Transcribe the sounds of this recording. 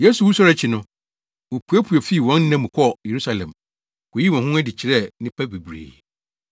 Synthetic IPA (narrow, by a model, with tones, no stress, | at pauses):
je˦su˨wu˦sɔ˦ɾɛ˨t͡ɕʰɪ˨nʊ̃˦ | wo˨pʰu˨ɛ˦pʰu˨ɔ˨fi˦˨wɔ̃˨˦n˦nã˦mũ˨kʰɔ˦je˨ɾu˦sa˨lɛ̰̃˨m | wo˨ji˦wɔ̃˨ɦʊ̃˦ɛ˦dɪ˨t͡ɕʰɪ˨ɾɛ˦˨nɪ̃˦pʰa˦be˨bɾḛː˨